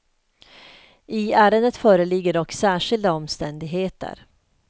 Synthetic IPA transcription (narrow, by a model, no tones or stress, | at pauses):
ʔɪæːɾənət̪fœːɾəlɪɡːəɖɔkːsæːʂɪld̪aɔmst̪ɛnd̪ɪɡɦeːt̪ə̰ɾ